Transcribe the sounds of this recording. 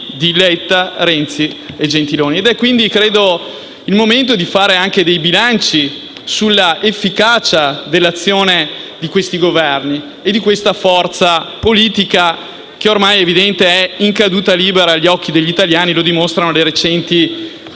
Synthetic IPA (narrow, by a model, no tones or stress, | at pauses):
d̪ilɛt̪ːaɾɛnt̪sied͡ʒent̪iloːnied̪ɛkːwind̪ikɾeːd̪o | ilmoment̪od̪ifaːɾeaŋk̟ed̪ejbilant͡ʃi | sulːaʔefːikaːt͡ʃad̪elːat̪sːjoːned̪ikwest̪iɡovɛrni | ed̪ikwest̪afɔrt̪sapoliːt̪ika | k̟eormajevid̪ɛnt̪eɛiŋkad̪uːt̪aliːbeɾaʎːiɔkːid̪eʎːit̪aljaːnilod̪imost̪ɾanoleɾet͡ʃɛnt̪i